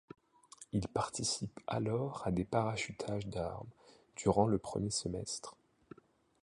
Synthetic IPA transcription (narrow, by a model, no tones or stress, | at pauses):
ilpaʁt̪isipa̰lɔʁad̪epaʁaʃyt̪ʰaʒd̪aʁm | d̪yʁɑ̃ləpχə̰mjesəmɛst̪χ